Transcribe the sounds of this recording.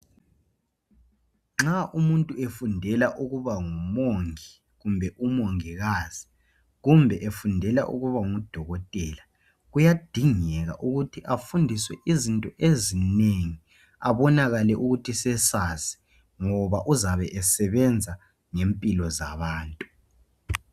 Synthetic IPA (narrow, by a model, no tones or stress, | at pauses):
ŋ͡ǁaʔumuntʼuefundʱɛlaʔuɣuβaŋumoŋi | ɣumbʱɛʔumoŋiɣaːz̥i̥ | ɣumbʱɛʔefundʱɛla̰ʔṵɣuβaŋud̥ʱɔɣɔtʼɛla | ɣujad̥ʱiŋɛɣa̰ʔuɣutʰiʔafundʱiswɛʔizintʼɔʔezineŋi | aβɔnaɣalɛʔuɣutʰisɛsasɛ̥ | ŋɔβaʔuzaβɛʔɛsɛβɛnd͡zʱa | ŋempʼilɔzaβaːntʼu